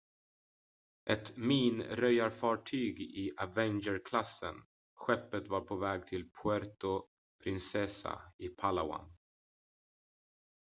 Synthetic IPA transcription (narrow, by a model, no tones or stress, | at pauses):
ʔɛt̪miːnɾœjaɾfɑːʈʰyːɡɪʔavɛnd͡ʒəɾkʰlasːə̰n | ɧɛpːət̪vaɾpʰovɛːɡ̚t̪ʰɪlpʰʊæɾt̪ʊ | pʰɾɪnsɛsa̰ɪpʰalawa̰n